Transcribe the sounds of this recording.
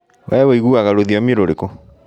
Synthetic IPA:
wʔɛwɛiɣuaɣaɾoðiɔmeɾoɾeko

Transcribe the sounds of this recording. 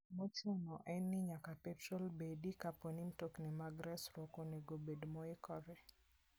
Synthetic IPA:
mot͡ʃʊnɔʔɛnːɪɲakapɛtɾɔlbedikapɔnimtoknɛmaɡɾɛsɾɔkoneɡobedmɔɪkɔɾɛ

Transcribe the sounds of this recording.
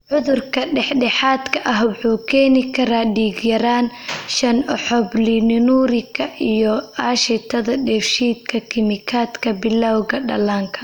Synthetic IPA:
ʕʊðʊrkʰɐɖɛħɖɛħaːd̪kʰɐʔɐɦwɑħuːkʰɛːnɪkʰɐɾaːɖiːɡjɐɾaːnʃɐnɔħɔbliːnɪnuːɾɪɡɐʔijɔaːʃɛt̪ʰɐðɐɖɛːfʃiːd̪̚kʰɐkʰɪmɪkʰaːt̪kʰɐbɪlːawɣɐɖɐlaːŋkʰɐ

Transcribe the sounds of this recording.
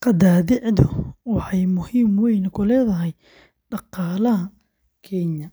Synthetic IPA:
qɑd̪aːðɪʕd̪ʊwɑħɑjmʊhiːmwɛjnɐkʰʊlɛːðɐɦɛj | ɖɑqɑːlɐɦɐ | kʰɛnjɐ

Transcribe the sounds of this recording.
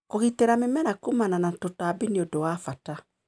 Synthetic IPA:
koɣiteɾamemɛɾakumananatotaːbineodowafata

